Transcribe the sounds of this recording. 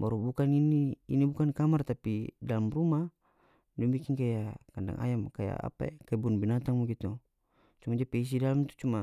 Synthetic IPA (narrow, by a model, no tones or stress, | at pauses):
maɾubukaniniḭnibukankamart̪apidalamruma | dɔbikinkajakanda̰ŋʔa̰jamkaja̰a̰pa̰ekaibunbinat̪aŋmuɡit̪u | t͡ʃumad͡ʒapɛis̬idalamt̪u̥t͡ʃuma